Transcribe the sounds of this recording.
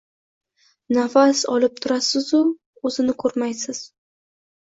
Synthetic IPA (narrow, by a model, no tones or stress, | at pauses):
nafasɒ̰lɪp̚t̪ʰʊɾasɪzʊ | ɵzɪnɪkʰɵɾmajsɪz̥